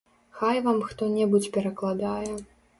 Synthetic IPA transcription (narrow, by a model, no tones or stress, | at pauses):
xajvamxt̪ɔnʲɛbut͡sʲpʲɛɾɐklˠad̪ajɛ